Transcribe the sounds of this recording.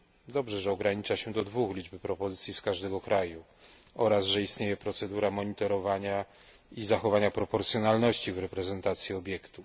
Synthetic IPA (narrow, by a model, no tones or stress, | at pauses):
d̪ɔbʐɛʐɛɔɡɾaɲit͡ʂaɕɛd̪ɔd̪vuxlʲid͡ʐbɘpɾɔpɔzɘt̪sʲjiskaʐd̪ɛɡɔkɾaju | ɔɾasʐɛist̪ɲejɛpɾɔt̪sɛd̪uɾamɔɲit̪ɔɾɔvaɲa | izaxɔvaɲapɾɔpɔɾt̪sjɔnalnɔɕt͡ɕivɾɛpɾɛzɛnt̪at̪sʲjiɔbʲjɛkt̪u